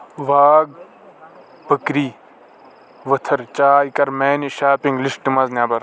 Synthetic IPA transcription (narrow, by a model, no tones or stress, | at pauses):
ʋaːɡ̚ | b̥ɐkɾiː | ʋɐt̪ʰɐɾt͡ʃaːikɐɾmeːnʃaːpiŋɡlisʈimɐznjaːbɐɾ